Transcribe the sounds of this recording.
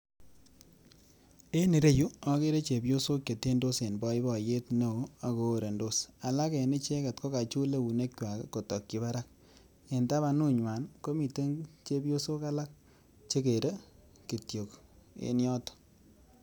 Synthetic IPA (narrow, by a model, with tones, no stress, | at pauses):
e˦ni˨ɾe˦ju˦a˦ke˦ɾe˦t͡ʃe˨bjo˦so˦kje˨te˦ndo˦se˨nbɔ˦i˦bɔ˨je˦tne˦˨o˦a˨ko˨ɾe˨ndo˦sa˨la˦ke˨ni˦t͡ʃe˦ka˨tko˦ka˨t͡ʃu˦le˦u˨ne˦kt͡ʃwa˨kko˨tɔ˨kːi˨˦βa˦ɾa˦k̚ | e˨nta˦ba˧nu˦ɲwa˨nko˦mi˨te˦ŋt͡ʃe˦bjo˦so˦ka˦la˦k̚ | t͡ʃe˦ke˨ɾe˦ | ki˨tjo˨kḛ˦njɔ˦to̥˦